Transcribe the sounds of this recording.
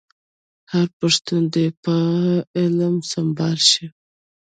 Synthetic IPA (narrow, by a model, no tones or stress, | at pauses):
haɾpaʂt̪und̪epəɪlmsambɑlʃi